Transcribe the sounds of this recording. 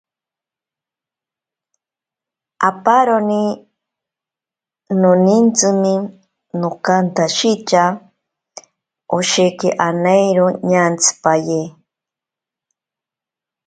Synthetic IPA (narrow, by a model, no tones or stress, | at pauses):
apaɾoni | nonint͡sɨmi | nokant̪aʃit͡ʃa | oʃekḛʔanejɾoɲaːnt͡sʰɨ̥paje